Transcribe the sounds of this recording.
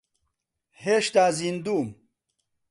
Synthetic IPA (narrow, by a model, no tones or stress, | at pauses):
heʂt̪aːzind̪um